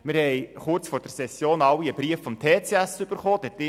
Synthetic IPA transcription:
mɪɾhɛɪχʊɾt͡sfoːɾd̥ɛɾsɛsːjoːnɑwːiəb̥ɾiəffɔmt̪ʰeːt͡seæsyb̥əɾχoːd̥ɛtɪ

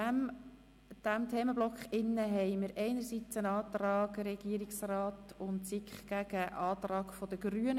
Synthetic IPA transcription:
m | d̪̥æmt̪ʰeːməblɔkχɪnːəɦɛɪmɪɾʔɛɪnəɾsit͡sənɑːt̪ɾɑːɡɾɛɡ̥iəɾiksrɑːtʊntsikχɡ̥æɡ̥əʔɑːt̪rɑːɡfɔd̥̪əɡ̥ɾyən

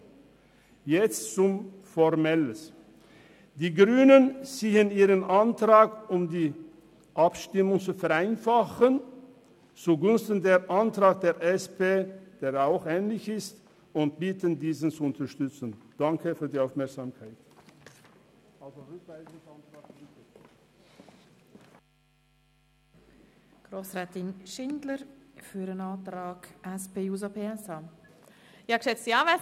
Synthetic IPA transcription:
jɛt͡st͡sʊm | fɔʁmɛləs | d̥iːɡʁyːnənziːəniːʁənʔantʁaːkʊmdiː | ʔapʃtɪmʊŋt͡sufɛʁaɪnfaχən | t͡suɡʊnstən̩deːɾʔantʁaːk̚d̥eːʁʔɛspeːd̥eːʁaʊxɛːnlɪçɪst | ʊnt̚b̥iːtəndiːzən̩t͡suʊntɐʃtʏt͡sən̩d̥aŋkəfyːɐdiːaʊfmɛɐkz̥aːmkʰaɪt | ʔalzoʁʏkv̥aɪzʊŋsantʁ̥aːk̚ibe | ɡ̥ʁoːsʁaːtɪnʃɪndləɾfyːɾənaːtɾaːkʔɛspeːjuːzopʰeɛsaː | jɑkʃɛt͡siaːvɛ

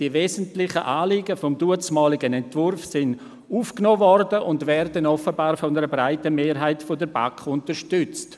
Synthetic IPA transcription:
d̥iəveːzəntlɪχəʔaːliːɡəfɔmduət͡smɑːlɪɡənɛntvʊrfsɪn | uːfknoːvɔrdəʔʊndvɛɾdənɔfəbɑːɾfɔndəɾəbɾaɪtəmeːɾɦaɪtfɔdəɾba̰kχʊntəɾʃtʏt͡st

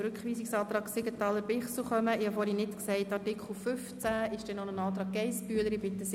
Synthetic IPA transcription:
ɾʉkχʋiːsiksɑːt̪ɾɑːɡsɪɡət̪ɑləɾpɪχsl̩ʊχœməɪhɑfoːɾinɪtksɛɪtːɑrtɪkʰχl̩fʏft͡sæɪʃd̥ɛnonənɑːt̪ɾɑːɡ̚ɡɛɪspyːələɾɪb̥ɪtəs

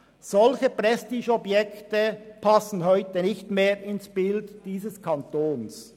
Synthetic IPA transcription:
z̥ɔlçəpʁɛstiːʃɔbjɛktəpʰɑsn̩ɦɔʏtənɪçtmeːɾɪnsb̥ɪldd̥iːsəskʰɑntoːns

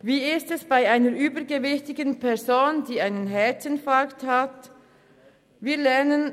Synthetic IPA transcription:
viːɪstɛsb̥aɪaɪnəɾʔyːbəɡevɪçtɪɡənpʰɛɐzoːndiːaɪnənɦɛtənfɑkthat | viːlɛʁnən

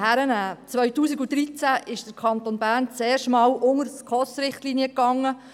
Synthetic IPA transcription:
hæɾənæːt͡sʋœɥtuːsiɡud̪ɾit͡sæʔɪʃd̥əkʰɑnt̪onbæːɾnt͡seːɾʃmɑːwʔʊŋəɾskʰɔsɾɪχtliniəkːɑŋːə

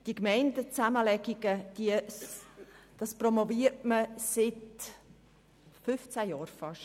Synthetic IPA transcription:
d̥ikmɛɪndət͡sæməlɛɡiɡəd̥iə | d̥ɑspromoviːəɾtməsɪt | fʏft͡sæjɑːɾfɑʃ

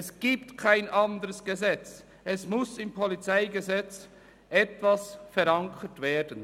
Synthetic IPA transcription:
ɛsɡ̥iːptkʰaɪnʔandəʁəsɡ̥əzɛt͡s | ʔɛsmʊsɪmpʰɔlit͡saɪɡəzɛt͡s | ʔɛtv̥asfɛɾaŋkʰətv̥eːɐdən

